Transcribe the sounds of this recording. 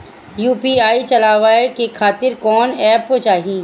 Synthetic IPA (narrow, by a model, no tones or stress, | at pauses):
juːpiːaːit͡ʃɐlaːʋaːekekʰaːt̪ɪɾkɔːnɛːpɦot͡ʃaːɦĩː